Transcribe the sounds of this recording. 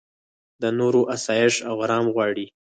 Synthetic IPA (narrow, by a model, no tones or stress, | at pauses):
d̪ənoɾoʔasɑjɪʂaɣɾɑmɣwɑɽi